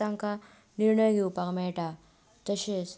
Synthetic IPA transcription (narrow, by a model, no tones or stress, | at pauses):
aŋka | niɾɳəjɡiupakmeʈa | t̪əɕes